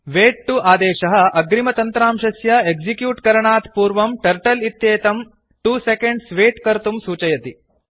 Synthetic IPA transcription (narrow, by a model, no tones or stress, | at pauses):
ʋeːʈ̚ʈuaːd̪eːʃɐɦɐ̆ɐɡɾimɐt̪ɐnt̪ɾaːmʃɐsjɐeɡd͡ʒikjuːʈkɐɾɐɳaːt̪puːɾʋɐmʈɐɾʈɐlit̪jeːt̪ɐm | ʈuːsekeɳɖsʋeːʈkɐɾt̪umsuːt͡ʃɐjɐt̪i